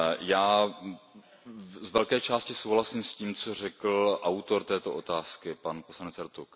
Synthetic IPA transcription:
jaː | zvɛlkɛːt͡ʃaːscɪsowɦlasiːmsciːmt͡so̞r̝ɛkl̩ʔawt̪oɾt̪ɛːt̪oʔot̪aːskɪpanposlanɛt͡sɛɾt̪uk

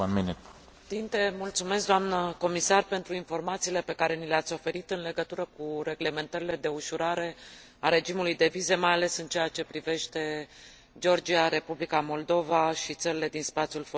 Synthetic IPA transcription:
anmene | t̪int̪e̞mult̪sume̞s̬k̚d̪oamnəko̞misarpe̞nt̪ɾuinfo̞rmat̪siːle̞pe̞kaɾe̞nileat̪sʲo̞fe̞ɾit̪ɨnle̞ɡət̪uɾəkuɾe̞ɡle̞me̞nt̪əɾile̞d̪e̞uʃuɾaɾe̞ | aɾe̞d͡ʒimulujd̪e̞vize̞majale̞sɨnt͡ʃe̞jat͡ʃe̞pɾive̞ʃt̪e̞ | d͡ʒo̞rd͡ʒiaɾe̞publikamo̞ld̪o̞vaʃit̪səɾile̞d̪inspat̪sjulfo

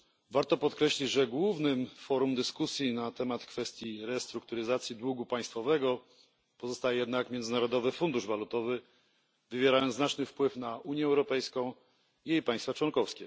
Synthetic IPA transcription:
vaɾt̪ɔpɔt̪kɾɛɕlʲid͡ʑʐɛɡwuvnɘmfɔɾumd̪ɘskusʲjinat̪ɛmat̪kfɛst̪ʲjiɾɛst̪ɾuk̚t̪uɾɘzat̪sʲjid̪wuɡupaj̃st̪fɔvɛɡɔ | pɔzɔst̪ajɛjɛd̪nakmʲjɛndznaɾɔd̪ɔvɘfund̪uʐvalut̪ɔvɘ | vɘvʲjɛɾajɔ̃nznat͡ʂnɘfpwɘfnaʔuɲjɛːwɾɔpɛjskɔ̃w̃ | ijejpaj̃st̪fat͡ʂwɔnkɔfskʲɛ

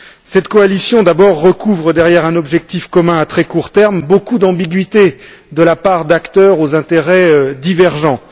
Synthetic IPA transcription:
sɛt̪kɔalisjɔ̃d̪abɔʁːəkuvʁəd̪ɛʁjɛʁɛ̃nɔbʒɛk̚t̪ifkɔmɛ̃at̪χɛkuʁt̪ɛʁmbokud̪ɑ̃biɡɥit̪e | d̪əlapaʁd̪akt̪œʁozɛ̃t̪eʁɛd̪ivɛʁʒɑ̃

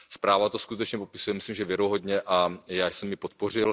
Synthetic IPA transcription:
spɾaːvat̪oskut̪ɛt͡ʃɲɛpo̞pɪ̥sujɛmɪslimʒɛvjɛɾoɦo̞dɲɛʔajaːjsɛmːɪpot̪̚po̞r̝ɪl

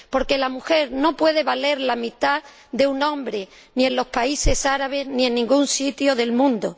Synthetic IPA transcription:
po̞ɾke̞lamuxe̞ɾno̞pwe̞ðe̞βale̞ɾlamit̪a | ðe̞unõ̞mbɾe̞ | nie̞nlo̞spaise̞saɾaβ̞e̞zniẽ̞nːĩŋɡunsit̪joðe̞lmũnd̪o

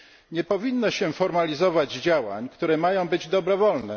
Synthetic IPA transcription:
ɲɛpɔvʲinːɔɕɛfɔɾmalʲizɔvad͡ʑd͡ʑawa̰ɲkt̪uɾɛmajɔ̃w̃bɘd͡ʑd̪ɔbɾɔvɔlnɛ̰

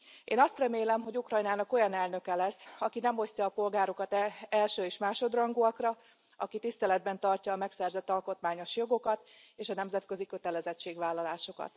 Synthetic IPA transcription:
ʔeːnɒst̪rɛmeːlɛmɦo̞ɟukrɒjnaːnɒko̞jɒnɛlnø̞kɛlɛsːɒkinɛmo̞scɒːpo̞lɡaːɾo̞kɒt̪ɛɛlʃøːeːʃmaːʃo̞d̪rɒŋɡuɒkrɒ | ɒkit̪ist̪ɛlɛd̪̚bɛnt̪ɒrcɒːmɛksɛrzɛt̪ːɒlko̞t̪maːɲo̞ʃjo̞ɡo̞kɒt̪ | eːʃɒnɛmzɛt̪kø̞zikø̞t̪ɛlɛzɛt͡ʃːeːɡʋaːlːɒlaːʃo̞kɒ̰t̪

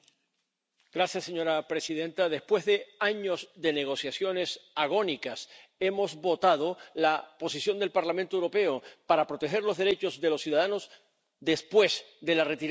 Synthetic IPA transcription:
ɡ̥ɾasjasːe̞ɲo̞ɾapɾe̞sið̞ẽ̞nt̪aðe̞spwe̞zðe̞aɲo̞zðe̞neɣ̞o̞sjasjo̞ne̞saɣ̞o̞nikase̞mo̞zβo̞t̪aðo̞lapo̞sisjo̞nd̪e̞lpaɾlamẽnt̪oewɾo̞pe̞opaɾapɾo̞t̪e̞xe̞ɾlo̞zðeɾe̞t͡ʃo̞zðe̞lo̞sːjuðaðano̞z | d̪espwe̞sd̪e̞laret̪iɾ

